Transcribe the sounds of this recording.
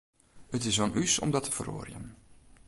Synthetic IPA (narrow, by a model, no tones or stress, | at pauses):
ətɪsʋanʔysɔ̰mdɔtʰəv̥əro̰ːrjə̰n